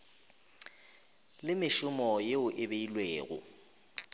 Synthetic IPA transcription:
lɪmɪʃʊmɔjeʊʔɪbeilweːɣʊ̰

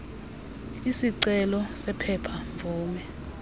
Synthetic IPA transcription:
isiǀɛlɔsɛpʰɛpʰaɱvʱɔːŋɛ

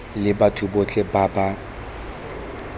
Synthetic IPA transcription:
lɪbatʰubot͡ɬʼebaːba

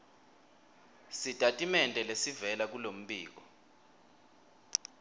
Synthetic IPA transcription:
sitʼatʼimɛntʼɛlesivɛlak̬ulom̩ɓiːk̬ɔ

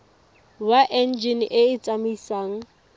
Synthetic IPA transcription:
waʔɛnd͡ʒinʔɪɪt͡sʼamisaːŋ̩

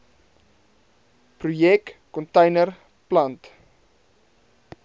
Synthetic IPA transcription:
prujɛkkɔntəjnər | plɐnt

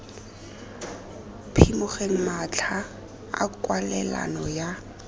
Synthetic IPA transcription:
pʰimʊχeŋ̩mat͡ɬʰa | a̰kʼwalɛla̰nɔja

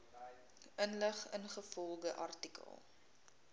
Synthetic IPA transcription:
ənləχənχəfɔlˠɡəʔɐ̰rtikə̰lˠ

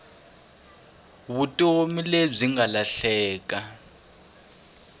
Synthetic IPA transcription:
βutʼomileb͡ʐiŋalaɬɛːk̬ʼa

